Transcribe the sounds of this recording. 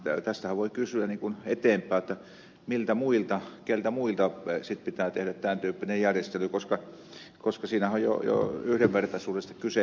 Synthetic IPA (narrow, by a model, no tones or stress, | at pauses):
t̪æst̪æhæʋʋoikysyæniːŋkunet̪eːmpːˑæːot̪ːɑ | milt̪æmuilt̪ɑkelt̪æmuilt̪ɑsit̪̚pit̪æːt̪ehɾæt̪t̪ænt̪yːpːinejærjest̪elykoskɑ | koskɑsiːnæhæojo̰jo̰yhɾeʋʋert̪ɑsuːrest̪ɑkyse